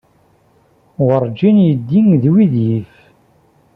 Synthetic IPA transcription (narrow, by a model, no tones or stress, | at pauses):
wəɾˤd͡ʒinjəd̪ːiŋðwiðjif